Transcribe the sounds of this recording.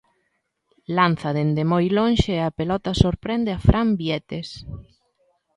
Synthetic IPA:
lan̟θɐðend̪emojlõnʃeapelɔt̪asoɾpɾɛnd̪eafɾambiɛt̪es

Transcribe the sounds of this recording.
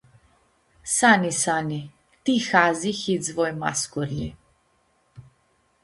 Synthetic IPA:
sanisani | t̪ixazixizvɔjma̰skɔɾli

